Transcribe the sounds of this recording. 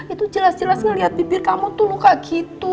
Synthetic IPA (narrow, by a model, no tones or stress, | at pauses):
it̪ud͡ʒəlasd͡ʒəlasŋəliɦat̪̚bibɪrkamut̪ulukaɡit̪u